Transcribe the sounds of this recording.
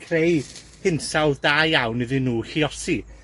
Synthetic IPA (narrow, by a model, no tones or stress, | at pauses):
kʰrej | hɪnsawdaːjawnɨðɪnːuːhiɔsi